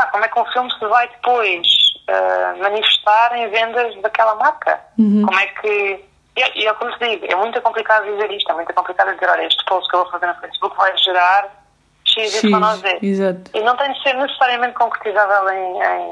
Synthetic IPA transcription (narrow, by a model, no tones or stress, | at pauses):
akomwɛkũfilˠmsɨvajðɨpojʃɛ̰mɐnifɨʃt̪aɾẽj̃vẽnd̪ɐʒðɐkɛlˠɐmaɾkɐ̰komwɛkʰɨ | iɛʔiɛwkomt̪ðiɣuɛ̰mũj̃t̪ukõmplˠikaðuðizeɾiʃt̪wɛmũt̪ukõmplˠikaðuɐd̪izeɾɔʎɐeʃt̪posu̥kewvofɐzeɾnufɐjsβukvajʒɨɾaɾ | ʃĩzĩɐ̃nɔ̃ðizeɾizat̪inɐ̃w̃t̪ɐ̃j̃d̪seɾnɨsɨ̥saɾiɐmẽnt̪̚kõkɾɨt̪izavɛlˠẽj̃ḛ̃j̃